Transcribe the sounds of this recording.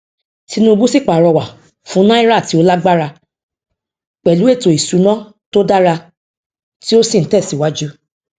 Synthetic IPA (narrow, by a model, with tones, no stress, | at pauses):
ti˧nũ˦˧bũ˦si˦˨k͡pa˨ɾɔ˧wa˨ | fũ˨˦nã˦i˦ɾa˦˨ti˨˦o˦la˦ɡ͡ba˦ɾa˧ | k͡pɛ˨lu˨˦e˦˨to˨i˨su˨˦nã˦ | to˦da˦ɾa˧ | ti˦o˦sĩ˦˨n̩˨˦tɛ˦˨si˨wa˨˦d͡ʒu˦